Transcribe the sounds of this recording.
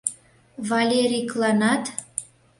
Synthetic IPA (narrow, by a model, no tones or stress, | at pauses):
vɑlʲeɾʲiklˠɑnɑt̪